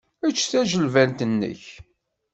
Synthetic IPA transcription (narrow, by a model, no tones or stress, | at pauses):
æt͡ʃːθæʒəlvænt̪ənːə̰ç